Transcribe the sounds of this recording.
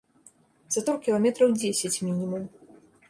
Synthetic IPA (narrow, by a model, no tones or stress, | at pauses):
z̥ɐt̪ɔrkʲilˠamʲɛt̪ɾɐwd͡zʲesʲat͡sʲmʲinʲimum